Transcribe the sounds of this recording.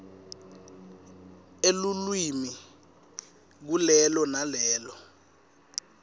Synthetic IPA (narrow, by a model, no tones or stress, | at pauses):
elulwimi | k̬ulɛlɔnalɛːlɔ